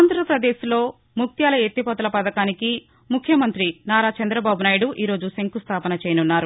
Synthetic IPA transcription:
nd̪ʱɐɾɐpɾɐd̪eːʃlo̞ː | muk̚t̪jaːlɐet̪ːipɔːt̪ɐlɐpɐd̪ɐkaːniki | mukʰːjɐmɐnt̪ɾinaːɾaːt͡ʃɐnd̪ɾɐbaːbunaːjɐɽuʔiːɾo̞ːd͡ʒuseŋkust̪ʰaːpɐnɐt͡ʃɛːjɐnunːaːɾu

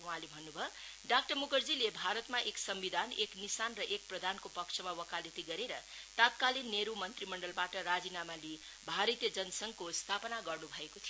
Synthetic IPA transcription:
uɦãlebʱʌnːubʱʌ | ɖakʈʌrmukʌrd͡zilebʱaɾʌt̪maʔeksʌmbid̪ʱaneknisanrʌʔek̚prʌd̪ʱankopʌkt͡ʃʰʌmawʌkalet̪iɡʌɾeɾʌ | t̪at̪kalinːeɾumʌnt̪rimʌɳɖʌlbaʈʌɾad͡zinamali | bʱaɾʌt̪jʌd͡zʌnsʌŋkost̪ʰapʌnaɡʌrnubʱʌekot̪ʰij

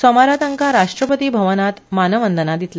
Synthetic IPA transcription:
sɔmaɾat̪aŋkaɾaʂʈɾəpət̪iːbʱəʋənat̪manəʋənd̪ənad̪it̪l

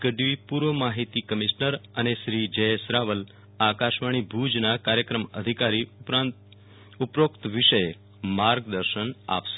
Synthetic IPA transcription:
kəɖʋipuɾʋomaɦit̪ikəmiʃnəɾəneʃɾid͡ʒəjsɾaʋəl | akaʃʋaɽ̃ibʱud͡ʒnakaɾjəkɾəməd̪ʱikaɾipɾ | upɾokt̪ʋiʃəje | maɾɡd̪əɾʃəna̰pʃe̥

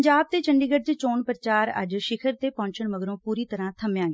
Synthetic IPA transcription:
ɲd͡ʒaːb̚t̪eːt͡ʃəɳɖiːɡəɖ̚t͡ʃet͡ʃoːɳpɾət͡ʃaːɾə̰d͡ʒʃɪkʰəɾt̪eːpɔ̃ːɲt͡ʃəɳməɡɾõːpuːɾiːt̪əɾãːt̪ʰəmjãːɡ

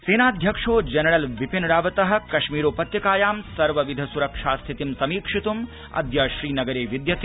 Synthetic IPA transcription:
seːnaːd̪ʱjɐkʂoːd͡ʒɐnɐɽɐlʋipinɽaːʋɐt̪ɐɦɐ̆kɐʃmiːɾoːpɐt̪jɐkaːjaːmsɐɾʋɐʋid̪ʱɐsuɾɐkʂaːst̪ʰit̪imsɐmiːkʂit̪um | ɐ̰d̪jɐʃɾiːnɐɡɐɾeːʋid̪jɐt̪

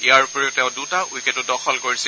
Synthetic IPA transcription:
ijaɹupɔɹɛʊtɛ̃ʊ̃dutaʔujkɛtʊdɔxʰɔlkoɹis

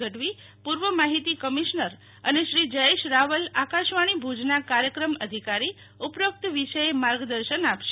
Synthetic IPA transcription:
əʈʋi | puɾʋəmaɦit̪ikəmiʃnəɾ | əneʃɾid͡ʒəjeʃɾaʋəlakaʃʋaɽ̃ibʱud͡ʒnakaɾjəkɾəməd̪ʱikaɾi | upɾək̚t̪ʋiʃəjemaɾɡd̪əɾʃənapʃe

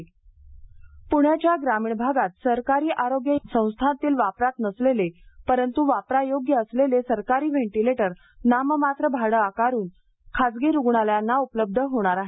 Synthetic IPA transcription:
puɳ̤jat͡ɕjaɡɾamiːɳbʱaɡat̪səɾkaɾiːʔaɾoɡjəsə̃w̃st̪ʰat̪iːlʋapɾat̪nəslelepəɾənt̪uʋapɾajoɡjəəslelesəɾkaɾiːʋeɳʈileʈəɾ | naməmat̪ɾəbʱaɽəakaɾuːn | kʰad͡zɡeɾuɡɳaljanːaupləb̚d̪ʱəɦoɽ̃aɾaɦe

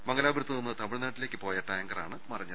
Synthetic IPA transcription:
mɐŋɡɐlaːbɾut̪ːɐonːɨt̪ɐmiɻnaːʈːile̞ːkːɨpo̞ːjaʈaːjɐŋɡɐra̰ːɳɨmɐrɐɲːɐ

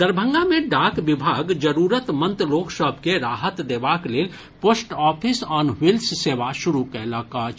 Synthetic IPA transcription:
d̪əɾbʱə̃ŋɡamẽɖaːkʋɪbʱaːɡd͡ʒəɾuːɾət̪mə̃nt̪loːksəbʱkeɾaːɦət̪d̪eːʋakleːl | poːsʈɔːpʰɪsɔːnwɪlsseːʋaʃʊɾukɛlaːkaːt͡ʃ

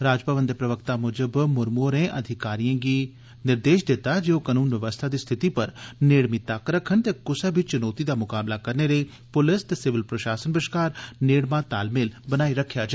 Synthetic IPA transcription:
ɾaːd͡ʒpəʋənd̪epɾɐʋəkt̪amʊd͡ʒəbmʊɾmoːɾẽːʔɐd̪ʱɪkaːɾijãɡiː | nɪɾd̪eːʃd̪et̪ad͡ʒeːokaːnuːnʋəʋəst̪ʰad̪iːst̪ʰɪt̪ipɐɾneːɽmɪt̪aːkɾɐkʰːənt̪eːkʊsabɪt͡ʃt͡ʃʊnoːt̪id̪aːmʊkaːblakɐɾnelei | pʊlɪst̪esɪʋɪlpɾɐʃaːsənbɪʃkaːɾneːɽmãt̪aːlmelbɐnaːiɾɐkʰjad͡ʒa

